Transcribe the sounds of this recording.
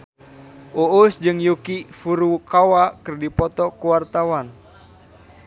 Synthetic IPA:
ousd͡ʒɨŋjukifuɾukawakɨrdipɔt̪ɔkuwart̪awan

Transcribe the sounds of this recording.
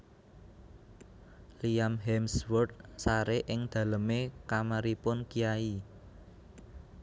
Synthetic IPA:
lijamɦɛmswɔrd̪̚saɾeʔɪŋd̪̥ä̤ləmekamaɾipʊnkijai

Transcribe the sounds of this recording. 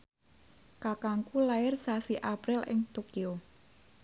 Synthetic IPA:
kakaŋkulaɪrsasiʔapɾɪlʔɪ̰ŋt̪okio

